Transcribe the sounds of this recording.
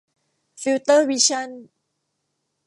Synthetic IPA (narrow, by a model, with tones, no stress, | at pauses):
fi˧wt̪əː˥wi˧ɕa˥n